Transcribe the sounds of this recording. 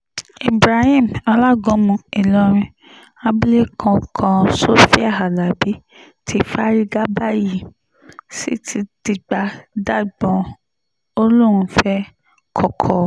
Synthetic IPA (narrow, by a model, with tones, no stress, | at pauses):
e˨bɾa˨hĩ˦˨m˨a˧la˦ɡɔ̃˨˦mũ˧i˨lɔ˨˦ɾ̃ĩ˧ | a˦ble˦kʰɔ̃˧kʰã˧so˦fi˦a˦˨ɦa˨la˨bi˨˦ | tʰi˧˦fa˦ɾi˦ɡa˦ba˦˨ji˦˨ | si˦tʰi˧ti˨ɡ͡ba˨˦da˦˨ɡ͡bɔ̃˨ | o˦lu˦˨ɾ̃ũ˧fɛ˦ | kʰɔ˨kʰɔ˨